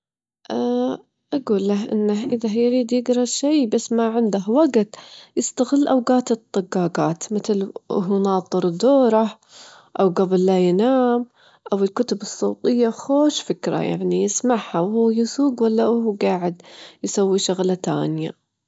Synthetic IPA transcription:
ʔa | ʔaɡuːlːahʔɪ̰nːaɦʔɪðajɾiːd̪jɪɡɾˤɑʃajbasːmaʕɪnd̪ahwaɡt̪jɪst̪aɣɪlːʔawɡaːt̪ɨt̪ˤːɑɡːɑːɡaːt̪mɪt̪lʔʊ̰ɦnɑːt̪ˤɨɾˤd̪oːɾˤa | ʔawɡabɪlːajɪnaːm | ʔawɪlkʊt̪ʊbɨsˤːoːt̪ˤɨjːaxoːʃfɪkɾa̰ja̰ʕnijɪsmaʕhawhuːjɪsuːɡwalːaʔhuɡaːʕɪd̪jsawːiʃaɣlat̪a̰ːnja̰

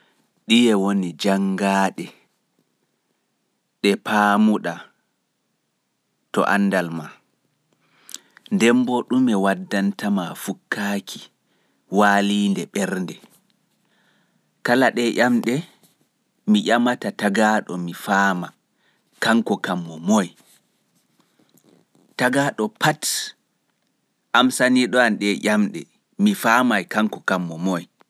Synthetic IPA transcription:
ɗijɛwonid͡ʒaŋɡaːɗɛ | ɗɛpʰaːmuɗa | tɔ̰ʔa̰nːdalma | ndɛmbɔɗumɛwadːantamafukːaːkʰi | waːliːndɛɓɛɾndɛ | kalaɗɛʔamɗɛ | miʔamatataɡaːɗɔmifaːma | kaŋkɔkamːɔmoj | taɡaːɗɔpʰat | ʔamsaniɗɔanɗɛʔʲamɗɛ̰ | mifaːmajkaŋkɔkamːɔmɔj

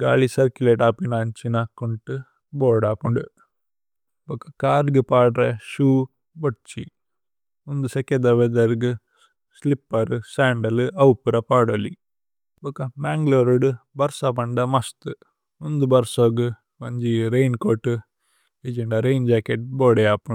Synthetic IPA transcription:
ɡa̰ːɭisɐɾkjuleːʈaːpinaɲt͡ʃinɐkuɳʈɨ | boːɖaːpuɳɖu | bɐkɐ̥kaːɾɡɨpaːɖɾeʃuː | boʈt͡ʃḭ | und̪usɐked̪ɐʋed̪ɐɾɡɨ | slipːɐɾusaːɳɖɐlɨɐwpuɾɐpaːɽolḭ | bokɐmaːŋɡloːɾuɖubɐɾsapɐɳɖɐmɐst̪ɨ | und̪ubɐɾsoːɡu | mɐɲd͡ʒiɾejnkoːʈɨ | eːd͡ʒeɳɖɐɾejnd͡ʒaːkeʈ̚boːɽejaːpuɳ

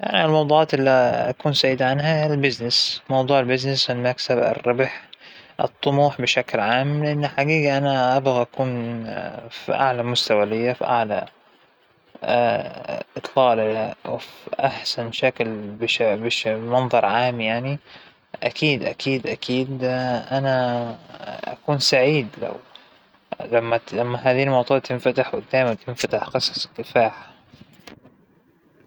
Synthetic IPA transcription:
jaʕnilmɑwd̪ˤuːʕɑːt̪ʔɪlːiakuːnsaːʕjɪd̪aʕanɦalbɪznɪsmɑwd̪ˤuːʕɪlbɪznɪsfɪlmaksabɪ̰rːɑbħʔɨ̰t̪ˤːʊmuːħbɪʃaklʕaːmlɪʔɪnːħaɡiːɡaʔanaʔabɣaʔakuːn | fḭʔa̰ʕlamʊst̪awalɪjːafḭʔaʕla̰ | ʔɨt̪ˤlɑːlawfʔaħsanʃaklbɪʃbɪʃmɑnðˤɑɾˤʕaːmjaʕni | ʔakʰiːd̪ʔakiːd̪ʔakʰiːd̪ʔana | ʔa̰kuːnsaʕiːd̪la̰w | lamːalamːaɦaːðiːlmɑwt̪ˤɑːt̪ːɪnfat̪aħwɪd̪aːjmant̪ɪnfat̪aħqɨsˤɑ̥sˤk̪ːɪfaːħ

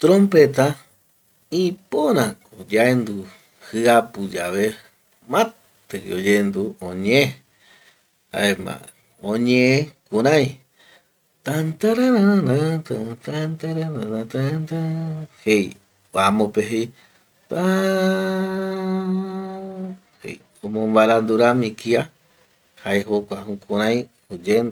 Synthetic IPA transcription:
t̪ɾõmpet̪a | ipoɾãkod͡ʒaend̪u | hɨapɨd͡ʒaβe | mã | t̪ɨ̰od͡ʒend̪uõɲẽe | a̰emã̰ | õɲẽẽkũɾãj̃ | t̪ant̪aɾaɾaɾaat̪at̪ant̪aɾanãnat̪ant̪ahej | amõpeɦej | t̪a | hḛj | omõmbaɾand̪uɾamĩkia | haeɦokʷaɦũkũɾ̃ãj̃ | ud͡ʒend̪

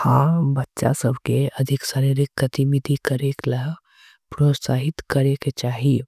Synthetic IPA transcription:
hãːbɐtːʃa̰səbʱkeɐd̪ʱɪksaːɾiɾɪkːɐt̪imid̪ʱikəɾeːkləɦ | pɾoːt̪saːɦɪt̪kɐɾeket͡ʃaːɦie

